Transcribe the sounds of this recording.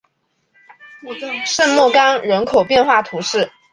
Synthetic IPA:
ʂə˥˧nmwɔ˥˩kɑ˥ŋɻə˧˥nkʰo˨˩ʊpjɛ˥˧nxwa˥˩t̪ʰu˧˥ʂɻ̩˥˩

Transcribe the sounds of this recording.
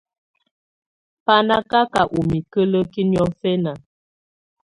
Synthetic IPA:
pa˦na˦ka˦ka˨ʔu˨mi˨kə˦lə˦ki˦njɔ˦fɛ˦na˨

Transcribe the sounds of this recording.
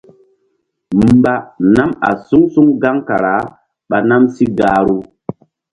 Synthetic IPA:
m̩˨ba˦na˦ma̰˨su˦ŋsu˦ŋɡa˦ŋka̰˨ɾa˨˦ | ɓa˨na˦msi˦ɡaː˦ɾu˦

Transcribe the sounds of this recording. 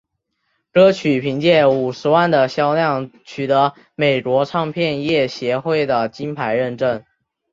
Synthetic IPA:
kɤ˥t͡ɕʰy˨˩pʰi˧˥ŋt͡ɕjɛ˥˩nu˨˩ʂɻ̩˧˥wa˥˩nd̪ə˩ɕjɑ˥ʊljɑ˥˩ŋt͡ɕʰy˨˩t̪ɤ˧˥ | me˨˩ɪkwɔ˧˥ʈ͡ʂʰɑ˥˧ŋpʰjɛ˥˧njɛ˥˩ɕjɛ˧˥xwe˥˩ɪd̪ə˩t͡ɕi˥npʰa˧˥ɪɻə˥˧nʈ͡ʂə˥˩n

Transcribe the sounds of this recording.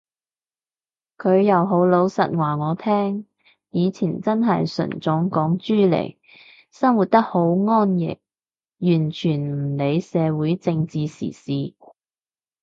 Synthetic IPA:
kʰɵ˨˧ɥjɐ˨˧wɦo˨˥wlo˨˧wsɐ̰˨t̚ŋwaː˨˩ŋɔː˨˧t̪ʰɛː˥ŋ | jiː˨˧t͡sʰiː˨˩nt͡sɐ˥nɦɐ˨jsɵ̰˨˩nt͡sʊ˨˥ŋkɔː˨˥ŋt͡ʃyː˥lḛ˨˩j | sɐ˥ŋwuː˨t̚t̪ɐ˥k̚ho˨˥wŋɔː˥njɪ̰˨˩k̚ | jyː˨˩nt͡ʃʰyː˨˩nm̩˨˩ne˨˧jsɛː˨˧wuː˨˥jt͡sɪ˧ŋt͡siː˨˧sḭː˨˩siː˨˧

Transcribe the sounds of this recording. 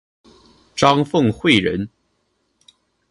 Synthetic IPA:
ʈ͡ʂɑ˥ŋfɤ˥˧ŋxwe˥˩ɪɻə̰˧˥n

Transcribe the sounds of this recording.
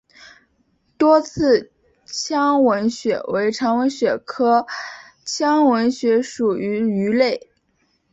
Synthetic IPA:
t̪wɔ˥t͡sʰɹ̩˥˩ | t͡ɕʰjɑ˥ŋwə˧˥nɕɥɛ̰˨˩we˧˥ɪʈ͡ʂʰɑ˧˥ŋwə˧˥nɕɥɛ˨˩kʰɤ˥ | t͡ɕʰjɑ˥ŋwə˧˥nɕɥɛ˧˥ʂu˨˩y˧˥y˧˥le˥˩ɪ

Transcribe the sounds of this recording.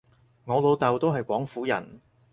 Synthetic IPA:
ŋɔː˨˧lo˨˧wt̪ɐ˨wt̪o˥wɦɐ˨jkʷɔː˨˥ŋfuː˨˥jɐ̰˨˩n

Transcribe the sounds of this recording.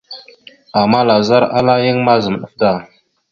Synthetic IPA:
a˨ma˦la˨za˦ɾa˦la˦jə˦ŋma˦zə˨m˨ɗə˦fda˦˨

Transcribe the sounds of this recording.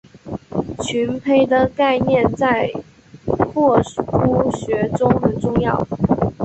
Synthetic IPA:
t͡ɕʰy˧˥npʰe˥ɪd̪ə˨ka˥˧ɪnjɛ˥˧nt͡sa˥˩˧ɪ | kʰwɔ˥˩tu˥ɕɥɛ˧˥ʈ͡ʂʊ˥ŋxə˨˩nʈ͡ʂʊ˥˧ŋjɑ˥˩ʊ

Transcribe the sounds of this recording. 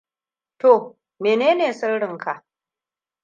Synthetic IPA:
to˨ | meː˨neː˦neː˨sɐ˦rɽɪ˨ŋkʰa˨ʔ

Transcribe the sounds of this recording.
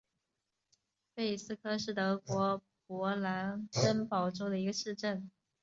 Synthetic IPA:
pe˥˩ɪsɹ̩˥˧kʰɤ˥ʂɻ̩˥˩t̪ɤ˧˥kwɔ˧˥ | pwɔ˧˥la˧˥nkə˥npɑ˨˩ʊʈ͡ʂo˥ʊd̪ə˨i˧˥ɡə˧ʂɻ̩˥˧ʈ͡ʂə˥˩n

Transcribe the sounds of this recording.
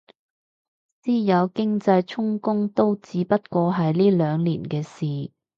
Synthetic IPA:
siː˥jɐ˨˧wkɪ˥ŋt͡sɐ˧jt͡sʰʊ˥ŋkʊ˥ŋt̪o˥wt͡siː˨˧pɐ˥t̚kʷɔː˧ɦɐ˨jliː˥lœː˨˧ŋliː˨˩nkɛː˧siː˨˩

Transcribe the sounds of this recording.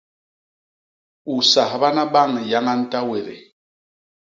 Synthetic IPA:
u˨sa˨hba˦na˦ba˦˨ŋja˦ŋa˦n̩˦ta˦we˨ɾḛ˨

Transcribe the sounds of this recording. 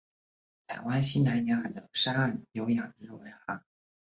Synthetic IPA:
t̪ʰa˨˩ɪwa˥nɕi˥na˧˥ɪnja˧˥a˨˩d̪ə˦ʂa˥a˥˩njo˧˥ʊjɑ˨˩ŋʈ͡ʂɻ̩˥˩we˧˥ɪxa˧˥˦

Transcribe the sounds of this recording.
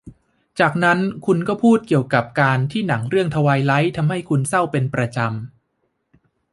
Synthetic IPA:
t͡ɕaː˨˩k̚na˦˥nkʰu˧nkɔː˥˩pʰuː˥˩t̪̚ki˨˩əwka˨˩p̚kaː˧nt̪ʰiː˥˩na˩˦ŋɾɯ˥˩əŋt̪ʰa˧waː˧jla˦˥jt̪ʰa˧mɦa˥˩jkʰu˧nsa˥˩wpe˧npɾa˧t͡ɕa˧m

